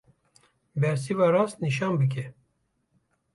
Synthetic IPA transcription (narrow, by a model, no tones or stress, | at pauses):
bɛɾs̬ivɑːɾɑːst̪niʃ̬ɑːnbɨk̬ʰɛ